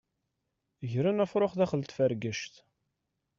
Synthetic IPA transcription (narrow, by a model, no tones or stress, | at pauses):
ʝɾænæfɾˤoχðæχəlt̪fæɾɡəʃt̪